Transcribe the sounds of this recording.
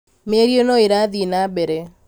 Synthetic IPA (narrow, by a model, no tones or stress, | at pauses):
meɾjonoeɾaðinabɛɾe